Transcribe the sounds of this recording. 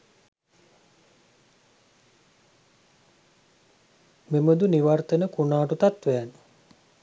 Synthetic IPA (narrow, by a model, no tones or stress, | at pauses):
meməd̪uniʋart̪ənəkunaːʈut̪at̪ʋɛːnu